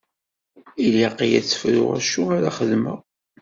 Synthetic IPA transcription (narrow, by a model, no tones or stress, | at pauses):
iliqijæt͡sːə̥fɾʊ̰ʁa̰ʃuaɾaχəðmə̰